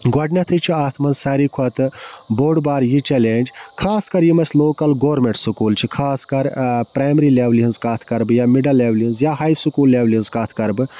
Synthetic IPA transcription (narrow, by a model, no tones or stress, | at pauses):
ɡɐɖnʲɐt̪ʰɨt͡ʃʰiaːt̪ʰmɐnsaːɾikʰɐt̪ɨ | boːɖbaːɾjit͡ʃeleːnd͡ʒ | kʰaːskɐɾjimɐsloːkɐlɡoːɾmeɳʈsukuːlt͡ʃʰikʰaːskɐɾpɾaːjmeɾileʋliɐnzkaːt̪ʰkɐɾbɨjaːmiɖɐlːeːʋlinzjaːɦajsukuːlːeːʋlinzkaːt̪ʰkɐɾbɨ